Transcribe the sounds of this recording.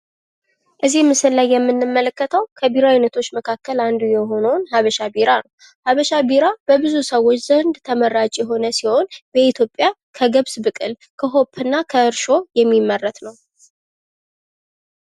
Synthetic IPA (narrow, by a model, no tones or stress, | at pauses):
ʔɨzimːɨsɨllːajːɛmːɨnːɨmːələkːət̪ʰəwkʰəbiɾajnət̪ʰo̞t͡ʃːməkʰakːəland̪ujɛɦo̞nəwnɦaβəʃabiɾanəw | haβəʃabiɾab̥əbɨzusəwːo̞t͡ʃːz̥ənd̪t̪ʰəməɾːad͡ʒʼjɛɦo̞nəsiho̞nbəit̪ʰjo̞pʼːja | kʰəɡəβsbɨkʼɨl | kʰəɦo̞pʰːɨnːakʰəɨɾʃo̞jɛmːimːərːət̪nəw